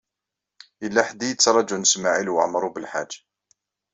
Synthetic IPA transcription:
əlːaħd̪ːijət͡sːɾˤɑd͡ʒunəsmaʕilwə̰ʕmɾˤubəlħad͡ʒːḁ

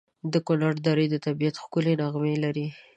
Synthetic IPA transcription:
d̪əkonaɽd̪ɑɾəjd̪ət̪abijat̪xkʊlenaɣmelaɾi

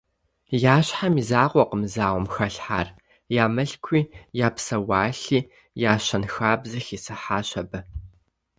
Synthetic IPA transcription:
jaːɕħamizaːqʷɔqəmzaːʁʷɔmxɐɬħa̰ːr | jaːmɨɬkʷʰiːjaːpsɐwaːɬiː | jaːɕɐnxaːbzɐxiːsɨħaːɕɐbɐ

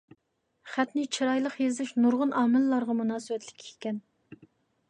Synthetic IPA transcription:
χæt̪nɪt͡ʃʰiɾɑjlˠəqjezɪʃnuɾʁʊnɑːmɪlːɑɾʁɑmunɑːsɨwɛt̪lɪ̥kʲʰːi̥kʲɛn

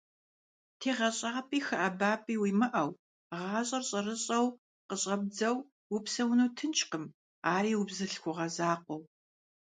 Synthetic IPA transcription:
tʰeːʁɐɕʼaːpʼiːxɐʔɐbaːpʼiːwiːmɨʔɐw | ʁɑːɕʼɐrɕʼɐrɨɕʼɐw | qəɕʼɐb̚d͡zɐw | wʊpsɐwnuːtʰɨnt͡ʃʼqəm | aːɾiːwʊbzɨɬxʷʊʁɐzaːqʷɔw

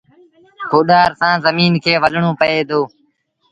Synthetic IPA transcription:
kʰoːɗaːɾsãːzəmiːnkʰeːʋəɗɳõːpəeːd̪oː

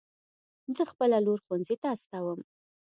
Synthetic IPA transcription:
zəxpəlaloɾxwanzet̪aːst̪awəm

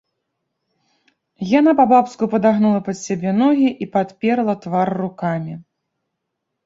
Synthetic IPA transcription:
janapabapskupɐd̪aɣnulˠɐpɐt̪sʲabʲɛnɔɣʲiʔipat̪pʲɛɾlˠɐt̪varːukamʲi

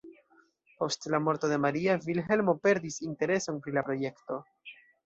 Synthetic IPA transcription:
po̞stlamo̞ɾto̞de̞maɾiavilɦe̞lmo̞pe̞ɾdisinte̞ɾe̞so̞npɾilapɾo̞je̞kto̞

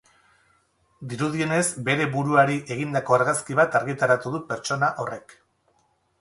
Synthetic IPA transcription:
d̪iɾuð̞ie̞ne̞zbe̞ɾe̞βuɾuaɾiʔe̞ɣ̞ind̪ako̞aɾɣaskiβ̞at̪aɾɣit̪aɾat̪uðupe̞ɾt͡ʃo̞naʔo̞re̞k

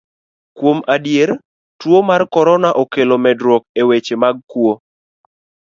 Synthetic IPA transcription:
kwomadjeɾ | twomarkɔɾɔnaʔɔkelomɛdɾwɔk̚ewet͡ʃemaɡ̚kwo

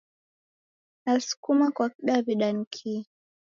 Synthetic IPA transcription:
nasu̥kumakwakiɗaβiɗaŋ̩kʰi

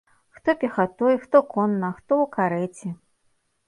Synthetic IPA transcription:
xt̪ɔpʲɛxat̪ɔjxt̪ɔkɔnːɐxt̪ɔwkaɾɛt͡sʲi

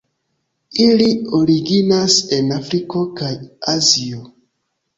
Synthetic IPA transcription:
ilio̞ɾiɡinase̞nafɾiko̞kajazio

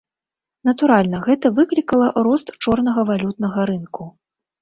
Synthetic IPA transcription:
nɐt̪uɾalʲnɐɣɛt̪ɐvɨklʲikɐlˠɐɾɔst̪t͡ʂɔrn̪ɐɣɐvalʲut̪nɐɣɐɾɨnku

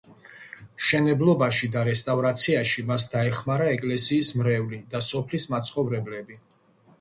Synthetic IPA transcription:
ʃɛnɛblˠɔbaʃid̪aɾɛst̪ʼavɾat̪sʰiaʃimasd̪aɛχmaɾaɛkʼlɛsiːsmɾɛvlid̪asɔpʰlismat̪sʰχɔvɾɛblɛbi

